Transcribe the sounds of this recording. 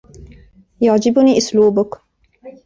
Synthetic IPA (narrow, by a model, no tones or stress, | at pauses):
jaʕd͡ʒɪbʊniːʔʊsluːbʊk